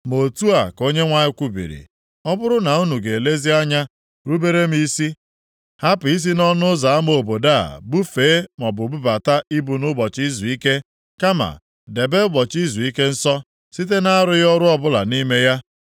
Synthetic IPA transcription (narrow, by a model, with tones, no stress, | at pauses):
mo˨tu˦a˨ko˦ɲe˦ŋʷa˦ɲɪ˦kʷu˦bḭ˨ɾḭ˨ | ɔ˦bʊ˦ɾʊ˦na˨u˦nu˨ɡe˨e˨le˦zi˦a˦ɲa˦ | ɾu˦be˦ɾe˦m̩˦i˦si˦ | ha˦pʊ˨i˦s̬i˦nɔ˦nʊ˦za˨a˦m˦o˨bo˨da˦a̰˨bu˦feː˨˦mɔ˨bʊ˨bu˦ba˨ta˦i˦bu˨nʊ˦bɔ˨t͡ʃi˦zu˨i˦ke˦ | ka˦ma̰˨ | de˨be˦ɡ͡bɔ˨t͡ʃi˦zu˨i˦ke˦n̩˦sɔ˦ | si˦t̬e˦na˦ɾʊ˦jɔ˦ɾʊ˦ɔ˦bʊ˦la̰˨ni˦me˦ja˦